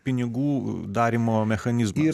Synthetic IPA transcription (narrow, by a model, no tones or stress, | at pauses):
pʲɪnʲɪɡuːd̪ɑːɾʲimoːmʲɛxɐnʲɪzmi